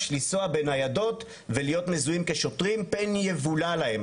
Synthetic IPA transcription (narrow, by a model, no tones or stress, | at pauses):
ʃlisoabe̞nhajado̞t | velijo̞tmezuimkeʃotʁimpenjevulalahe̞m